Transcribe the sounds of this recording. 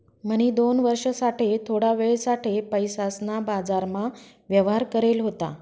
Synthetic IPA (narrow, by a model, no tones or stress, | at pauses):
m̤əɽ̃iːd̪onʋəɾʂəsaʈʰet̪ʰoɽaʋeɭsaʈʰepəjsasnabad͡zaɾma | ʋjəʋɦaɾkəɾelɦot̪a̰